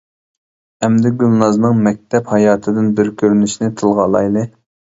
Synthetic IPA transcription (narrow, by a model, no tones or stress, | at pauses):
ɛmd̪ɛɡʲylˠnɑznɨŋmɛk̚ʲt̪ʰɛphɑjɑːt̪ʰɨd̪ɪnbɪɾkʲʰøɾnyʃnɪt̪ʰɨlˠʁɑlˠɑ̰jlˠɨ